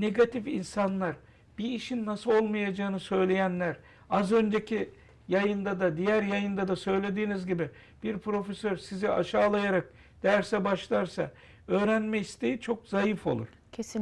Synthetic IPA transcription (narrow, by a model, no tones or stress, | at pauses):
ne̞ɡat̪ʰifinsanlˠaɾ | b̥iːʃinːasɯlˠo̞lˠmajad͡ʒaːɯnɯsø̞jlʲe̞jænlʲæɾ | azø̞nd͡ʒe̞cʰi | jajɯnd̪ad̪ad̪ijæɾjajɯnd̪ad̪asø̞jlʲe̞d̪iːnizɟibi | b̥iɾpʰɾo̞fesø̞ɾsizia̰ʃaːlˠajaɾak̚ | d̪̥æɾsɛbaʃlˠaɾsa̰ | ø̞ːɾænmɛist̪ʰe̞jit͡ʃʰo̞kzajɯfo̞̰lˠṵɾ̥ | cʰ